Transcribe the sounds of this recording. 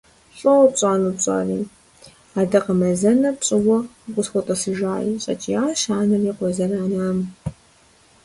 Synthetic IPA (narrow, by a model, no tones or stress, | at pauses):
ɕʼɐwɔpɕʼaːnupɕʼa̰ːriː | aːdɐqəmɐzɐnɐpɕʼɪwɔɡʷʊsxʷɔtʼɐsɨʒaːjḭɕʼɐ̰t͡ʃʼijaːʃaːnɨriqʷɔzɐraːnaːm